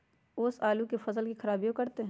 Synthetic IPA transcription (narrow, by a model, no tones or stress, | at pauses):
ʊsaːlukefɐsəlkixɐɾaːbijõkɐɾt̪eɦ